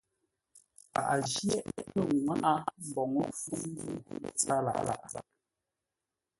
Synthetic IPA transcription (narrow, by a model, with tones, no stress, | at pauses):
pa̰˨ʔa˨d͡ʒjɛ˦ʔpə˦˨ŋwa˦ʔa˦m̩˨bɔ˨ŋə˦fu˦n˦du˦˨t͡sa˦la̰˨ʔla̰˨ʔla̰˨ʔ